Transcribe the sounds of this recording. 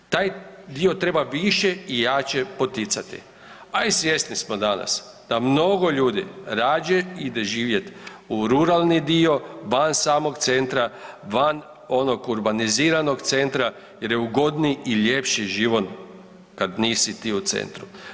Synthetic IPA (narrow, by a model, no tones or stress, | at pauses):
t̪aːjd̪iot̪ɾe̞baʋiʃeijaːt͡ʃepo̞t̪it̪sat̪ḭ | aisʋje̞snismod̪ana̰s | d̪̥amno̞ɡo̞ʎuːd̪ḭɾaːd͡ʒeid̪eʒiːʋje̞t̪uɾuɾalˠnid̪io̞ʋansaːmo̞kt̪se̞nt̪ɾaʋan | o̞nokuɾbaniziːɾano̞ɡt̪se̞nt̪ɾa | jeɾjeuɡo̞d̪niile̞pʃiʒiʋon | kad̪niːsit̪iːut̪sḛnt̪ɾu